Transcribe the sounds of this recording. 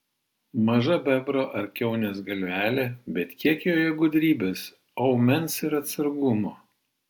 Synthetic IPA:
mɐʒɐbʲɛbɾoːʔɐɾʲkʲɛʊnʲɛːsɡɐlʲʋʲæːlʲeːbʲɛt̪kʲiɛkʲɪjoːjɛɡʊd̪ʲɾʲiːbʲeːs | ɐʊmʲɛnsɪɾɐt̪ʲsɐɾɡʊmoː

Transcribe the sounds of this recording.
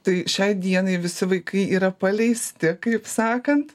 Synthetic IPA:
t̪ɐɪʃʲɛɪd̪ʲiɛnɐɪʋʲɪsʲɪʋɐɪkɐɪiːɾɐpɐlʲɛɪsʲt̪ʲɪkɐɪpsɑːkɐnt̪

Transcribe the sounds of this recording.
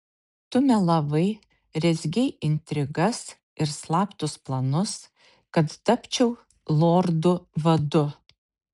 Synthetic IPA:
t̪ʊmʲɛlˠɐʋɐɪ | ɾʲɛzʲɡʲɛɪɪnʲt̪ʲɾʲɪɡɐs | ɪɾslˠɑːpt̪ʊsplˠɐnʊs | kɐt̪t̪ɐpʲt͡ʃʲɛʊ | lˠoːɾd̪ʊʋɐd̪ʊ

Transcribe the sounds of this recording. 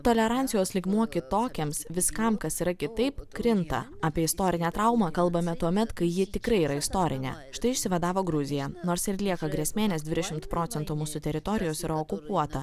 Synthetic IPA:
t̪oːlʲɛɾɐnʲsʲɪjoːslʲɪɡmuɔkʲɪt̪oːkʲemsʋʲɪskɐmkɐsiːɾɐkʲɪt̪ɐɪpkɾʲɪnt̪ɐ̰aːpʲiɛɪst̪oːɾʲɪnʲæːt̪ɾɐʊmɐkɐlˠbɐmʲɛt̪uɔmʲɛt̪kɐɪjɪt̪ʲɪkɾɐɪiːɾɐɪst̪oːɾʲɪnʲḛːʃɪt̪ɐɪɪʃʲsʲɪʋɐd̪ɑːʋoːɡɾʊzʲɪjɛnoːɾsɪɾlʲiɛkɐɡɾʲiɛsʲmʲeːnʲɛːsd̪ʋʲɪd̪ʲɛʃʲɪmt̪pɾʔoːt̪ʲɛnt̪umuːsʊt̪ʲɛɾʲɪt̪oːɾʲɪjoːsɪɾɐoːkʊpuɔt̪ɐ

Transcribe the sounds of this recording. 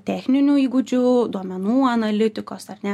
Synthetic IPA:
t̪ʲæːxʲnʲɪnʲuːiːɡʊd͡ʒʲʊd̪uɔmʲɛnuːɐnɐlʲɪt̪ʲɪkoːsɐɾnʲɛ

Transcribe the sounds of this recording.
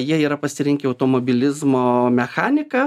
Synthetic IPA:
jiɛiːɾɐpɐsʲɪɾʲɪŋʲkʲɪɐʊt̪oːmoːbʲɪlʲɪzmoːmʲɛxɑːnʲɪkɐ

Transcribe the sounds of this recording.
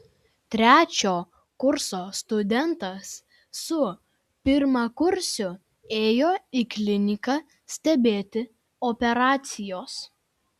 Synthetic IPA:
t̪ʲɾʲæːt͡ʃʲoː | kʊɾsoːst̪ʊd̪ʲɛnt̪ɐsː | ʊ | pʲɪɾmɐkʊɾʲˑsʲʊ | eːjoːiklʲɪnʲɪkɐ | sʲt̪ʲɛbʲeːt̪ʲɪ | opʲɛɾɑːt̪sʲɪjoːs

